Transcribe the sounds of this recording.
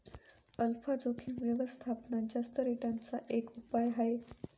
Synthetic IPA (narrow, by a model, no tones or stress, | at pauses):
əlfad͡zokʰinʋjəʋəst̪ʰapnad͡ʒəst̪əɾiʈãnt͡saʔekupajɦɐe